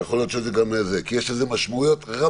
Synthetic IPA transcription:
exoljot̪t͡ʃezeɡamezekijeʃlezemaʃmaujo̞t̪ʁa

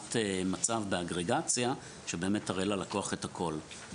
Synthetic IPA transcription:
temat͡savbeaɡʁeɡat͡sja | ʃebe̞ːme̞taʁelalakoaχethakʰo̞l

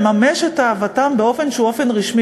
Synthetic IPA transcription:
mameʃetaːvatambeo̞fe̞nʃuofe̞nʁiʃmi

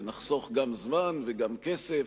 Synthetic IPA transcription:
naχso̞χɡamzmanveɡamkesef

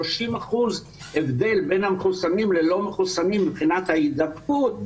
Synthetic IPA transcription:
oʃimaχuz | evd̪e̞lbe̞nhameχusanimlelo̞meχusanimbibχinat̪haid̪abkut̪̚

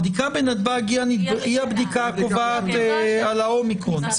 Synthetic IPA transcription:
d̪ikabenad̪baɡianiiabd̪ikakovaːt̪ealaomikʁon

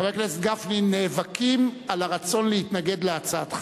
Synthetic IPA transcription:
abeklesɡafnineːvakʰimalaʁat͡so̞nleit̪naɡe̞d̪leat͡saat̪χ

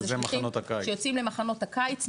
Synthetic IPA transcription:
zeemanot̪akajʃejot͡simlemaχano̞t̪hakajt͡s

